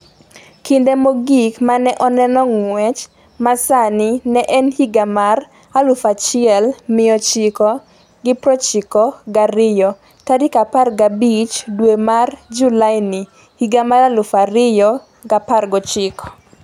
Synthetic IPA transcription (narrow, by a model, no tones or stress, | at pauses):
kindemoɡikmanɛʔɔnɛnɔŋwɛt͡ʃ | masanɪnɛʔɛnhiɡamar | alʊfat͡ʃɪɛlmɪjɔt͡ʃɪkɔ | ɡɪpɾɔt͡ʃɪkɔɡaɾɪjɔ | tadɪkaparɡabit͡ʃdwemard͡ʒulaɪnɪ | hiɡamaɾalʊfaɾɪjɔ | ɡaparɡɔt͡ʃɪkɔ̥